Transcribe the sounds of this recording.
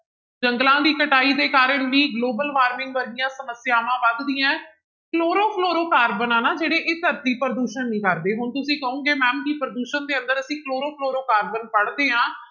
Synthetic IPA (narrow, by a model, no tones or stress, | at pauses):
d͡ʒəŋɡlãːd̪iːkəʈaːiːd̪eːkaːɾəɳʋiːɡloːbəlʋaːɾmɪ̃ŋɡʋəɾɪjãːsəməsjaːʋãːʋəd̪d̪iːãː | kloːɾõːpʰloːɾoːkaːɾbənãːnaːd͡ʒeːɽeːʔeːt̪əɾt̪iːpəɾəd̪uːʃənːĩːkəɾd̪eːɦʊɳt̪ʊsĩːkəũːɡeːmɛ̃ːmkipɾəd̪uːʃənd̪eːə̃nd̪əɾəsĩːkloːɾoːpʰloːɾoːkaːɾbənpəɽd̪eːɦãː